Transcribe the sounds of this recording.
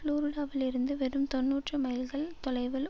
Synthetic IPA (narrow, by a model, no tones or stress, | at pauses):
luːɾɯɽaːʋɪlɪɾɯnd̪ɯʋɛɾɯmt̪ɔnːuːʈrɯmɐɪjɪlɣɐɭt̪ɔlɐɪʋɪl